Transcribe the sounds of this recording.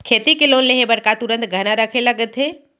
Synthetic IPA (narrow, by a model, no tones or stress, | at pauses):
kʰet̪ikelonleɦebəɾkat̪uɾə̃nt̪ɡʱənaɾəkʰeləɡət̪ɦe